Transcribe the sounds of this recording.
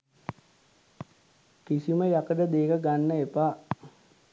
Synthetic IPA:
kisiməjakəɖəd̪eːkəɡanːəepaː

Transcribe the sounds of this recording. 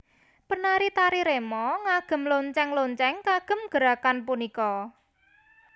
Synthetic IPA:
pənaɾit̪aɾiɾemɔŋaɡ̥ə̤mloɲt͡ʃɛŋloɲt͡ʃɛŋkaɡ̥ə̤mɡ̥əɾakanpunikɔ

